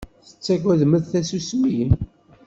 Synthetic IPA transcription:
θə̥t͡sːæɡæðməðθæsusmijin

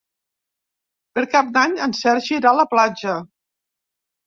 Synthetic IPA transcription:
pəɾkap̚d̪aɲənsɛɾʒiɾaləplad͡ʒə

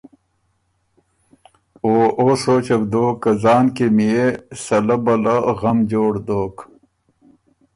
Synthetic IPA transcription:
oːʔoːsoːt͡ɕɐbd̪oːkːɐzaːnkemijesɐlɐbɐlɐɣɐmd͡ʑoːɽd̪oːk

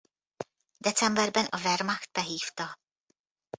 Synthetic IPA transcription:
d̪ɛt͡sɛmbɛɾbɛnʔɔvɛɾmaxt̪̚pɛɦiːft̪ɔ

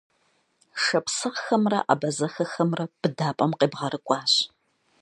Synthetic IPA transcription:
ʂɐpsɨʁxɐmrɐ̰ʔa̰ːbɐzɐxɐxɐmrɐb̥ɨdaːpʼɐmqeːbʁɐɾɨkʷʼɑːɕ

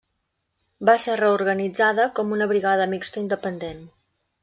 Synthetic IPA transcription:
baserəuɾɣənid͡zaðəkɔmunəβɾiɣaðəmikst̪əind̪əpənd̪en

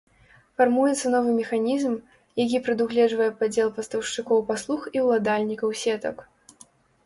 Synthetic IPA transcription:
farmujɛt̪sɐnɔvɨmʲɛxanʲizm | jak̬ʲipɾɨd̪uɣlʲɛʐvɐjɛpad͡zʲɛlˠpɐst̪ɐwʂt͡ʂɨkɔwpaslˠuxiwlˠad̪alʲnʲikɐwsʲɛt̪ɐ̰k

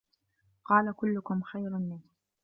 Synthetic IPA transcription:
qɑːlakʊlːʊkʊmxajɾmɪn

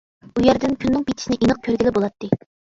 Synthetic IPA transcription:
ujɛɾd̪ɪnkʲʰynːɨŋpʲit̪ʰɪʃinɪʔinəq̚kʲʰøɾɡʲilɪbolˠɑt̪ʰːɨ

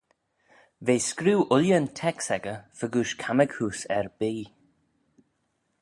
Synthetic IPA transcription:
veːskɾiwʔʊljəntʰɛksɛɡəfəɡuːʃkʰaməɡhuːsɛɹb̥iː

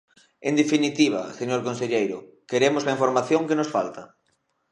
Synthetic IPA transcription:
end̪efinit̪iβ̞a̰seɲoɾkonseʎejɾʊkeɾemozlaĩɱfoɾmaθjõŋkenosfa̰lt̪a

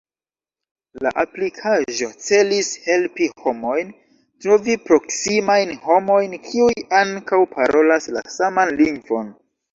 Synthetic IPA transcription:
la̰ʔaplikʰaʒo̞t͡se̞lishe̞lpiho̞mo̞jn | tɾo̞vipɾo̞ksimajnho̞mo̞jnkʰiujaŋkawpʰaɾo̞lasla̰samanliŋɡvo̞n

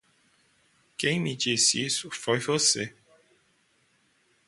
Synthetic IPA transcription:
kẽj̃mɪd͡ʒisisʊfojvose

